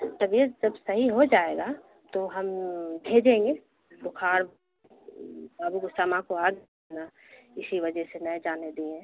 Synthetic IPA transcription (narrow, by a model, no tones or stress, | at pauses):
t̪ɐbjed͡ʒɐbsɐɦiɦod͡ʒaːeːɡa | t̪oɦɐmbʱeːd͡ʒẽːŋɡe | bʊkʰaːɾ | baːbuɡʊsaːmãkoaːɡe | na | ɪsiʋɐd͡ʒəɦsenɐjd͡ʒaːned̪eːɛ̃ː